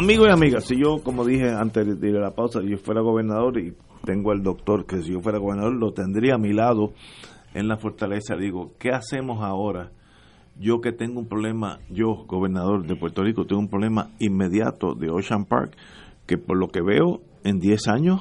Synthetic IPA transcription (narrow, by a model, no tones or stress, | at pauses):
amiɣoamiɣasiʝo̞ko̞moðiɦeant̪eðeelapawsasiʝofwe̞ɾaɣo̞βe̞ɾnaðo̞ɾi | t̪e̞ŋɡoeld̪o̞k̚t̪o̞ɾke̞siʝo̞fwe̞ɾaɣoβeɾnaðo̞ɾlo̞t̪e̞nd̪ɾiamilaðo | ḛnlafo̞ɾt̪ale̞saðiɣo̞ke̞ase̞mosao̞ɾa | ʝo̞ke̞t̪e̞ŋɡoumpɾoβle̞ma̰ʝo̞ɡo̞βe̞ɾnað̞o̞ɾðepwe̞ɾt̪o̞rikot̪eŋɡumpɾole̞ma̰imːe̞ðja̰t̪o̰ðe̞oʃampa̰ɾkː | e̞po̞ɾlo̞ke̞βe̞̰o | e̞nd̪je̞saɲos